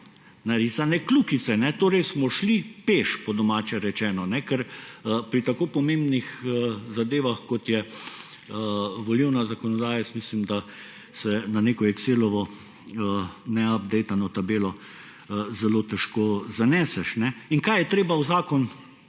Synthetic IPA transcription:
naɾiːsanɛklukit̪sɛnɛt̪oːɾɛjsmɔʃlipeːʃpɔd̪ɔmaːt͡ʃɛɾɛt͡ʃɛːnɔnɛkɛɾpɾit̪akoːpɔmẽmbnixzad̪eːʋaxkɔt̪jɛ | ʋɔliwnazakɔnɔd̪aːjɛsmiːslimd̪a | sɛnaneːkɔɛkseːlɔʋɔ | nɛab̚d̪ɛjt̪anɔt̪abeːlɔ | zɛloːt̪ɛʃkoːzanɛːsɛʃnɛiŋkajɛt̪ɾeːbawzaːkɔn

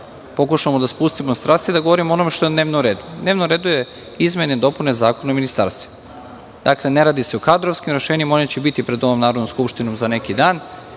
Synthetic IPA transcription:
po̞kuʃamod̪aspust̪imost̪ɾaːst̪id̪aɡoʋo̞ɾimoo̞no̞meʃt̪oed̪ne̞ːʋnomɾeːd̪ud̪neːʋnomɾeːd̪uje | izme̞ned̪o̞pune̞zaːkonaominist̪a̰ɾst̪ʋo | d̪̥aklˠe̞ne̞ɾaːd̪iseokad̪ɾoʋskimɾe̞ʃeːɲimaonet͡ɕebit̪ipɾed̪o̞ʋomnaːɾod̪nomskupʃt̪inomzanekid̪aːn

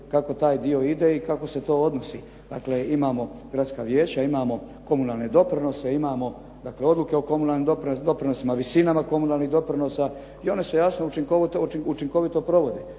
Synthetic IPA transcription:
kako̞t̪aːjd̪io̞id̪e̞ikako̞se̞t̪o̞ːod̪nosḭ | d̪a̰kleimaːmo̞ɡ̥ɾat̪skaːʋjeːt͡ɕaimaːmo̞ | ko̞munalne̞d̪o̞pɾino̞seimaːmo̞ | d̪akle̞o̞d̪lˠuke̞o̞ko̞munalnimd̪opɾd̪o̞pɾinosimaʋisinamako̞munaːlˠniɦd̪o̞pɾino̞sa | io̞nesujasnout͡ʃiŋkot̪ut͡ʃiŋko̞ʋit̪o̞pɾo̞ʋo̞d̪e

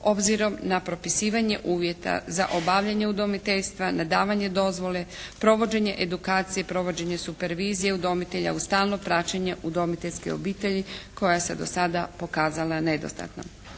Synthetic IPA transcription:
o̞bziɾo̞mnapɾo̞pisiːʋaɲe̞̰ʔuːʋje̞t̪a̰za̰ʔobaʋʎaɲe̞ud̪o̞mit̪eʎst̪ʋanad̪aːʋaɲe̞d̪o̞zʋo̞le̞pɾo̞ʋo̞d͡ʑe̞ɲe̞ʔed̪ukaːt̪sije̞pɾo̞ʋo̞d͡ʑe̞ɲesupe̞ɾʋiːzijeud̪o̞mit̪eʎa̰ust̪aːlˠno̞pɾat͡ɕeɲeʔud̪o̞mit̪e̞lʲskḛo̞̰biːt̪eʎiko̞jase̞d̪o̞̰sad̪apo̞kaːzalˠane̞d̪o̞̰st̪a̰t̪no̰m

